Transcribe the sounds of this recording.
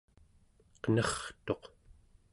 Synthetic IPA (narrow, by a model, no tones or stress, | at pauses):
qənʌχt̪o̞q